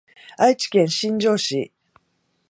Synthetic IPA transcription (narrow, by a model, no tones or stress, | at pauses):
ait͡ɕi̥kẽ̞ɰ̃ɕĩɲd͡ʑo̞ːɕḭ